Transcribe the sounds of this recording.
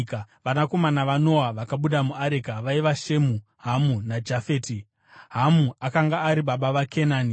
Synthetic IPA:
kaʋanako̞manaʋano̞aʋakaɓuɗamuaɾekaʋaiʋaʃe̞mu | ɦamunad͡ʒafe̞ːti | ɦamuakaŋɡaːɾiɓaɓaʋakʰe̞naːni

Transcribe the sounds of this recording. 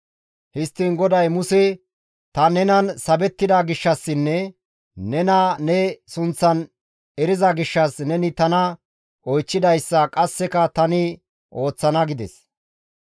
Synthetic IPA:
hɪst̪ːɪnɡɔd̪ɐjmʊsɛ | t̪ɐnɛnɐnsɐbɛt̪ːɪd̪ɐɡɪʃːɐsːɪnːɛ | nɛnɐnɛsʊnt͡sːɐn | ɛɾɪzɐɡɪʃːɐsnɛnɪt̪ɐnɐ | ʔɔjt͡ʃːɪd̪ɐjsːɐkʼɐsːɛkɐt̪ɐnɪ | ʔo̞ːt͡sːɐnɐɡɪd̪ɛ̰s

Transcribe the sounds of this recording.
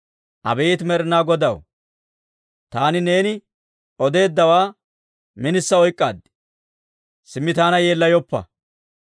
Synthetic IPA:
ʔɐ̰bɛjt̪mɛɾɪnaːɡɔd̪ɐw | t̪aːnɪne̞ːnɪ | ʔɔd̪e̞ːd̪ːɐwaː | mɪnɪsːɐɔjkʼːaːd̪ | sɪmːɪt̪aːnɐje̞ːlːɐjɔpːɐ̰

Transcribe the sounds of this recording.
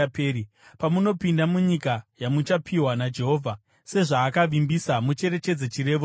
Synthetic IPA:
peːɾi | pamuno̞pindamuɲikajamut͡ʃapʰiwanad͡ʒe̞ɦo̞ːvʱa | se̞ʐaːkaʋimbisamut͡ʃe̞ɾe̞t͡ʃe̞d͡zet͡ʃiɾe̞ːʋo

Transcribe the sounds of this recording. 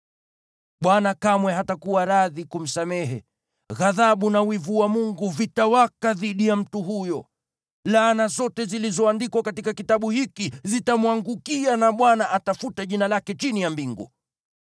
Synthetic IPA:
ɓwanakamwɛɦatakuwaɾaðikum̩samɛɦɛ | ɣaðaɓunawivuamuŋɡuvitawakaðiɗijam̩tuɦujɔ | lanazɔtɛzilizɔandikwakatikakitaɓuhikizitamwaŋɡukianaɓwanaʔatafutaʄinalakɛt͡ʃinijambiŋɡṵ

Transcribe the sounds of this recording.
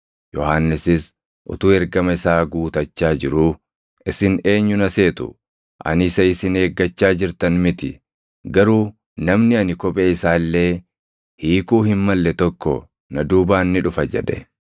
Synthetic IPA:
jɔhaːnːɪsɪs | ʔʊ̰t̪uːɛɾɡɐmɐɪsaːɡuːt̪ɐt͡ʃːaːd͡ʒɪɾuː | ʔɪsɪne̞ːɲːʊnɐse̞ːt̪ʊ̰ | ʔɐ̰nɪsɐɪsɪne̞ːɡːɐt͡ʃːaːd͡ʒɪɾt̪ɐnmɪt̪ɪ̰ | ɡɐɾuː | nɐmnɪɐnɪkɔpʼeɪsaːlːe̞ː | hiːkuːhɪmmɐlːɛt̪ɔkːɔ̰ | nɐd̪uːbaːnːɪᶑʊfɐd͡ʒɛ̰ᶑɛ

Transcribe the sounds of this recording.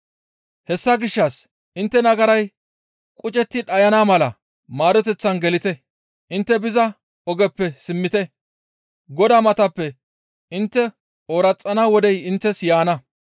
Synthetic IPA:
hɛsːɐɡɪʃːɐs | ʔɪnt̪ːɛnɐɡɐɾɐj | kʼʊt͡ʃʼɛt̪ːɪᶑɐjɐnaːmɐlɐ | maːd̪ɔt̪ɛt͡sːɐnɡɛlɪt̪ɛ | ʔɪnt̪ːɛbɪzɐ | ɔɡɛpːɛsɪmːɪt̪ɛ | ɡɔd̪aːmɐt̪ɐpːɛ | ɪnt̪ːɛ | oːɾɐt͡sʼːɐnaːwɔd̪ɛjɪnt̪ːɛsjaːnɐ

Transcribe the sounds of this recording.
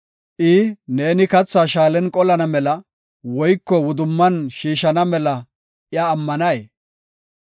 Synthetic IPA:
ʔɪːne̞ːnɪkɐt͡sːaːʃaːlɛnkʼɔlɐnɐmɛlɐ | wɔjkːɔwʊd̪ʊmːɐnʃiːʃɐnɐmɛlɐ | ʔɪaːmːɐnɐje

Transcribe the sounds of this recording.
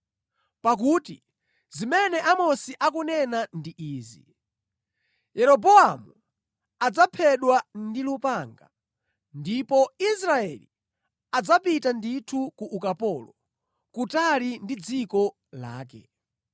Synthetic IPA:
pak̬uːtḭ | zimɛnɛʔamɔsiʔakunɛnandiʔiːzḭ | jɛɾɔbɔamu | ad͡zapʰɛɗwandilupaŋɡa̰ | ndipɔisɾaɛlḭ | ad͡zapitanditʰukuʔːkapɔlɔ | kutalindid͡zikɔ | la̰ːkɛ̰

